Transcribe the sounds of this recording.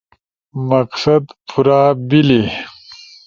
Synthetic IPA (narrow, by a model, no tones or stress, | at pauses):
mɐqsɐd̪pʰuɾaːbile